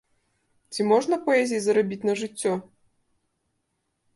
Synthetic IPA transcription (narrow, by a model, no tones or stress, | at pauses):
t͡sʲimɔʐnɐpɔɛzʲijizɐɾabʲit͡sʲnɐʐɨt͡sʲːɔ